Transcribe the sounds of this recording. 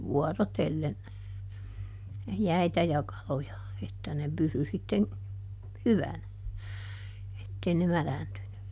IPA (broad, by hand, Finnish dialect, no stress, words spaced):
ʋuɔrotelːen jæitæ jɑ kɑlojɑ etːæ ne pysy sitːeŋ hyʋænæ etːei ne mælæntyny